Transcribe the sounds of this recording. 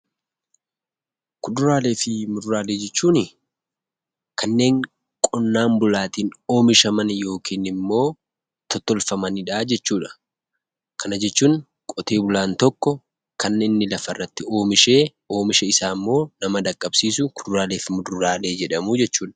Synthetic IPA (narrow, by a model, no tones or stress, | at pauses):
kʊd̪ʊɾaːle̞ːfɪmʊd̪ʊɾaːle̞ːd͡ʒɛt͡ʃːuːnɪ | kʰɐnːe̞ːŋ | kʼɔnːaːmbʊlaːt̪iːno̞ːmɪʃɐmɐnjo̞ːkʰiːnɪmːo̞ː | t̪ɔt̪ːɔlfɐmɐnɪᶑaːd͡ʒɛt͡ʃːuːᶑɐ̥ | kʰɐnɐd͡ʒɛt͡ʃːuːŋ | kʼɔt̪eːbʊlaːnt̪ɔkːɔ | kɐnːenːɪlɐfɐrːɐt̪ːɪo̞ːmɪʃe̞ː | o̞ːmɪʃɛɪsaːmːo̞ːnɐmɐd̪ɐkʼːɐbsiːsʊkʊd̪ʊɾaːle̞ːfɪmʊd̪ʊɾaːle̞ːd͡ʒɛᶑɐmʊd͡ʒɛt͡ʃːuːᶑɐ̥